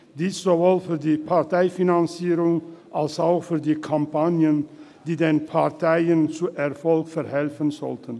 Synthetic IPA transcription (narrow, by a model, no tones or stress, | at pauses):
d̥iːsz̥ovoːlfyːɐdiːpʰaʁtʰaɪfinant͡siːʁʊŋʔalsaʊxfyːɐdiːkʰampanjən | d̥iːdeːnpʰaʁtʰaɪənt͡suʔɛɐfɔlkfɛɐhɛlfənzɔ̰ltʰən